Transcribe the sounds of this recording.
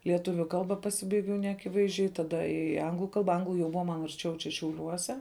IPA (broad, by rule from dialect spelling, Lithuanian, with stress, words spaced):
lʲiɛˈtʊʋʲʊ ˈkɐlˠbɐ pɐˈsʲɪbɐɪɡʲɛʊ nʲɛɐˈkʲɪʋɐɪzʲˌd͡ʒʲɛɪ tɐˈdɐ ɪ ˈɐŋɡlˠʊ ˈkɐlˠbɐ ˈɐŋɡlˠʊ jɛʊ ˈbʊʋɐ mɐn ɐrʲˈt͡ʃʲɛʊ t͡ʃʲɛ ʃʲɛʊˈlʲuɔsʲɛ